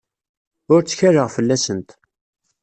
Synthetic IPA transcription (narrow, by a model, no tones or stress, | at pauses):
ʊɾt͡sːə̥çærəʁfəlːæsənt̪